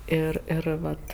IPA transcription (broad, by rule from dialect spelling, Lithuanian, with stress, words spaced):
ˈɪr ɪr ˈʋɐt